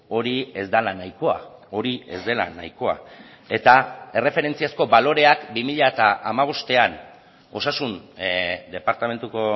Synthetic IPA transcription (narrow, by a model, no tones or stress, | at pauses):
o̞ɾie̞zd̪alanajko̞a̰oɾie̞̰zd̪e̞la̰na̰jko̞a̰ | e̞t̪ae̞re̞fe̞ɾe̞nt͡siasko̞balo̞ɾe̞akbimiʎaet̪aʔamaβ̞o̞st̪e̞an | o̞sasund̪e̞paɾt̪ame̞nt̪uko